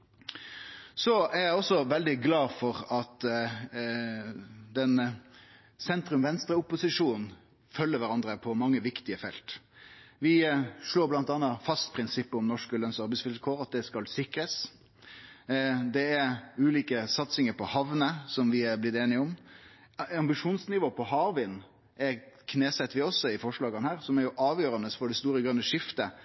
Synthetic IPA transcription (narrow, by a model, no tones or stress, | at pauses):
sɔæʁjæɪɔsɔʋɛld̪ɪɡlɑːfɔɾɑt̪ | d̪ɛn | sɛnt̪ɾʉmʋɛnst̪ɾəʊpːʊsɪʂuːnn | fœlːəɾʋæɾɑnd̪ɾəpʰɔmɑŋːəʋɪkt̪ɪəfɛ̰lt̪ʋɪʂɭoːblɑnt̪ɑnːɑfɑst̪pʰɾɪnsɪpːəɔmnɔʂkəlœnsɑɾbɛɪsʋɪlkʰoːɾɑt̪̚d̪ɛskɑlsɪkɾəs | d̪ɛæɾʉːliːkəsɑt̪sɪŋəɾpʰɔhɑʋnəsɔmʋɪɛɾblɪt̪eːnɪəʊm | ɑmbɪʂuːnsnɪʋoːpʰɔɦɑːʁʋɪn | ʔɛɾkʰneːsɛt̪ːʋɪɔsːɔɪfɔʂɭɑːɡənəhæːɾsɔmæɾjʊʔɑːʋjøːɾɑnəsfɔɖɛst̪uːɾəɡɾœnːəʂɪft̪ə